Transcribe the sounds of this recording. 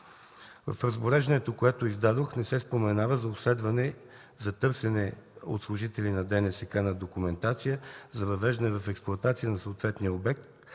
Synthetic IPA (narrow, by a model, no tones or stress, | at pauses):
vɐ̰fɾɐzboɾɛʒd̪ɐnɛt̪okoɛt̪oizd̪ad̪oxnɛsɛspomɛnavəzɐopslɛd̪vɐnɛ | zɐt̪ɤɾsɛnɛo̰t̪slˠʊʒit̪ɛlinɐd̪ɛnɛsɛkanɐd̪okumɛnt̪at̪sijəzɐvɐvɛʒd̪ɐnɛvɐfɛksplˠʊɐt̪at̪sijənɐsoːt̪vɛt̪nijəobɛk̚t̪